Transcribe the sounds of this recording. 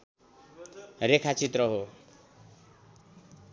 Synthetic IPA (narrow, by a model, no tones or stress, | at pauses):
rekʰat͡sit̪rʌɦo